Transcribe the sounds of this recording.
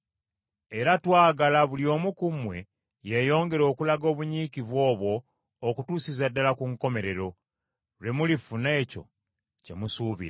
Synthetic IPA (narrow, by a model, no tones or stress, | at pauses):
e̞ɾatwaːɡalaβulio̞ːmukumwe̞ | jejo̞ːŋɡe̞ɾo̞ːkulaɡo̞ːβuɲiːkiβwo̞ːβwo̞ː | kutuːsizadːalakuŋko̞me̞ɾe̞ɾo̞ | le̞mulifune̞ːco̞̰ | ce̞̰musuːβḭɾa